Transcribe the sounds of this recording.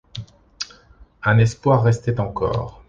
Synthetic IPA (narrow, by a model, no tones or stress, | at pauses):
ɛ̃nɛspwaʁːɛst̪ɛt̪ɑ̃kɔ̰ːʁ